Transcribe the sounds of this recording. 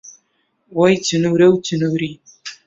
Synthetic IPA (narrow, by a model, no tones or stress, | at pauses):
wɐjtʰɨnɨwɾɐwtʰɨnɨwɾi